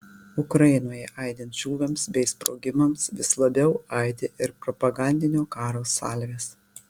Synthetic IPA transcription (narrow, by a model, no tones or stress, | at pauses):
ʊkɾɐɪnoːjɛʔɐɪd̪ʲɛnt̪ʒʲuːʋʲɛmsbʲɛɪspɾoːɡʲɪmɐmsʋʲɪslˠɐbʲɛʊɐɪd̪ʲeʔɪɾpɾɔpɐɡɑˑnʲd̪ʲɪnʲoːkɑːɾoːsɑ̰ːlʲʋʲeːs